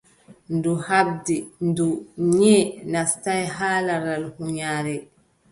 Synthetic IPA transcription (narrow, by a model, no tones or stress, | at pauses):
nduhab̚dinduɲɛːnastajɦaːlaɾalhuɲaːɾɛ